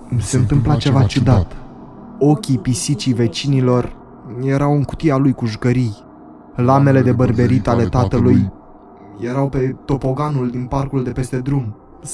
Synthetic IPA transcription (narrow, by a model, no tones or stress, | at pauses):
se̞ɨnt̪ɨmplat͡ʃe̞vat͡ʃud̪at̪ | o̞kʲipisit͡ʃive̞t͡ʃinilo̞r | je̞ɾawɨŋkut̪ialujkuʒukəɾij | lame̞le̞d̪e̞bərbe̞ɾit̪ale̞t̪at̪əluj | je̞ɾawpe̞t̪o̞po̞ɡanuld̪inparkuld̪e̞pe̞st̪e̞d̪ɾum